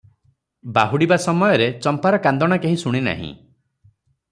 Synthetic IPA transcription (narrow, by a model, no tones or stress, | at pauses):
baɦuɽibasɔmɔjɔɾet͡ʃɔmpaɾɔkand̪ɔɽ̃akeɦisuɽ̃ina̰ɦḭ̃